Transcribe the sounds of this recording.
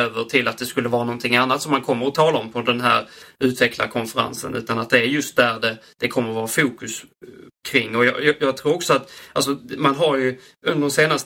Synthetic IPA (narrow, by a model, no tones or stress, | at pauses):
øːvəʈʰɪlat̪̚d̪ɛskɵlːəvɑːɾanɔnt̪ʰɪŋːanːat̪sɔmːankʰɔmːəɾɔt̪ʰɑːlaɔmpʰɔd̪ɛnɦæ̰ɾʉ̟ːt̪ʰvɛkla̰kʰɔnfəɾa̰nsə̰nʉ̟̰ːt̪anat̪̚d̪ɛæɾjɵst̪̚d̪æɾɖɛd̪̥ɛkʰɔmːəɾvɑːɾafuːkɵskʰɾɪŋːɔjɑjɑjɑːɡ̚t̪ʰɾuːɾɔksɔat̪als̬ɔmanɦaɾjɵ | ɵnd̪əɾɔmseːnast̪